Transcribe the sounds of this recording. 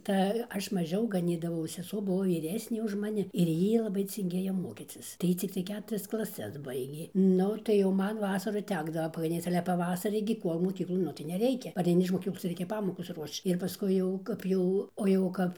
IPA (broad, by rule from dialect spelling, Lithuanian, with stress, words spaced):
tɐɪ ˈɐʃ mɐˈʒʲɛʊ ɡɐˈnʲiːdɐʋɐʊ sʲɛˈsuɔ ˈbʊʋoː ʋʲiːˈrʲæːsʲnʲeː ʊʃ mɐˈnʲɪ ɪr ˈjiː lˠɐˈbɐɪ t͡sʲɪŋʲˈɡʲeːjoː ˈmoːkʲiːt͡sʲɪs tɐɪ ˈjiː ˈt͡sʲɪktɐɪ ˈkʲæːtʊrʲɛs klˠɐˈsʲɛs ˈbɐɪɡʲeː ˈnʊ tɐɪ jɛʊ ˈmɐn ˈʋɑːsɐrʊ ˈtʲæːɡdɐʋoː pɐɡɐˈnʲiːt͡s ɐlʲɛ pɐˈʋɑːsɐrʲiː ɡʲɪ ˈkuɔlˠ moːˈkʲiːklˠoːn ˈnʊ tɐɪ nʲɛˈrʲɛɪkʲɛ pɐrʲɛɪˈnʲɪ ɪʃ moːˈkʲiːklˠoːs ˈrʲɛɪkʲɛ ˈpɑːmoːkoːs ˈruɔʃt͡ʃ ɪr pɐˈskʊɪ jɛʊ ˈkɐp jɛʊ oː jɛʊ ˈkɐp